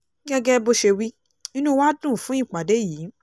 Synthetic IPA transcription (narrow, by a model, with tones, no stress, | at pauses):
ɡɛ˦ɡɛ˦bo˧ʃe˧wi˦ | nĩ˦nũ˦wa˦dũ˦˨fũ˨˦ĩ˦˨k͡pa˨de˨˦jiː˨˦